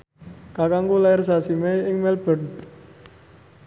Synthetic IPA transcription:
kakaŋkulaɪrs̬asimɛɪŋmɛlb̥ə̤n

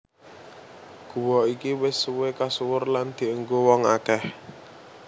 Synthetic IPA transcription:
ɡ̥ṳwɔikiwɪsuwekasuwʊrland̪̥i̤əŋɡowɔŋa̰kɛh

